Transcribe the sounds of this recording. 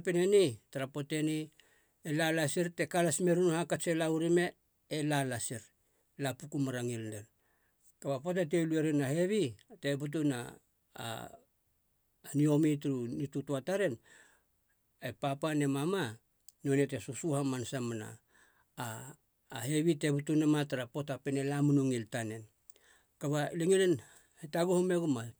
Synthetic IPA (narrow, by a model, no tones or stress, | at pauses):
apenenitaɾapo̞te̞ni | elalasiɾte̞kalasme̞ɾunuhakat͡ʃelauɾime̞ː | lalasiɾ | lapukumaɾaŋilneɾ | kabapot̬et̬elue̞ɾinahe̞βite̞but̬una̰ | nio̞mitɾunitutuataɾe̞n | epapane̞mama | nonet̬esusuhamansamana̰ː | he̞βiteβbutunemataɾapo̞tapenelamunuŋiltane̞n | kaβaliŋilen | hetaɡuhumeɡuma